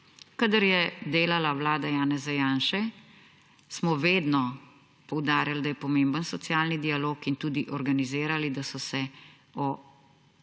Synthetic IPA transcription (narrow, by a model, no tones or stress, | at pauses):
kad̪əɾjɛd̪eːlalawlaːd̪ajaːnɛzajaːnʃɛ | smɔʋeːd̪nɔ | pɔwd̪aːɾjald̪ajɛpɔmẽmbənsɔt̪sjaːlnid̪ialoːkint̪uːd̪iʔɔɾɡanizeːɾalid̪asɔsɛ | ɔ